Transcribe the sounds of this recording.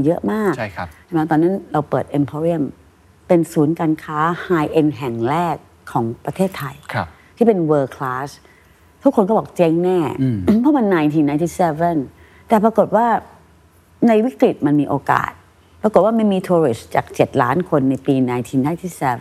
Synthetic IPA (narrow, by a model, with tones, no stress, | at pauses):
jɤ˦˥ʔmaː˥˩k̚a˥˩˦t͡ɕa˨˩nɛː˧˦˥t̪ɔː˧nːa˦˥˨nɾa˧wpɤː˨˩t̪̚ʔe˧npʰɔː˧ɾi˦˥˨m | pe˧nsuː˩˦nkaː˧nkʰaː˦˥haː˧jʔe˧nɦɛ˨˩ŋɾɛː˥˩kʰːɔː˩˦ŋpɾa˧t̪ʰeː˥˩t̪ʰːa˧jkʰa˦˧ | t̪ʰiː˥˩pe˧nwəː˧kʰlaː˦˥s | t̪ʰu˦˥kʰːo˧nkɔ˥˩bɔː˨˩k̚t͡ɕe˦˥ŋnɛː˥˩˧pʰɔ˦˥˨ma˧nːaː˧jt̪ʰiː˧naː˧˦jt̪ʰi˦˥˩sɛ˧ve˥˩n | t̪ɛː˨˩pɾa˧ko˨˩t̪̚waː˥˩ | na˧jwi˦˥kɾi˨˩t̪̚ma˧nmiː˧ʔoː˧ka̰ː˨˩t̪̚ | pɾa˧ko˨˩t̪̚waː˥˩ma˥˩jmiː˧t̪ʰuː˧ɾi˨˩st͡ɕa̰ː˨˩k̚t͡ɕe˨˩t̪̚la̰ː˦˥nkʰo˧nːa˧jpiː˧naː˧jt̪ʰiː˧naː˧˥jt̪ʰi˦˥˩sɛː˧